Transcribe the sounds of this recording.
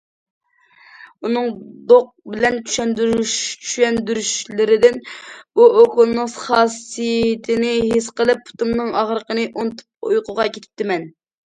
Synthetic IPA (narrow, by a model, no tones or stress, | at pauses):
unɨŋd̪oq̚bɪlɛnt͡ʃʲʰy̥ʃɛnd̪yɾʃt͡ʃʰyʃɛnd̪yɾyʃlɪɾɪd̪ɪnbuʔokulˠnɨŋsχɑːsijɪt̪ʰɪnɪɦesqəlˠɨpʰːu̥t̪umnɨŋɑʁɾəqənɨʔont̪ʰp̚ṵjqʊʁɑkʲʰet̪ʰɪ̥p̚t̪ʰɪmɛn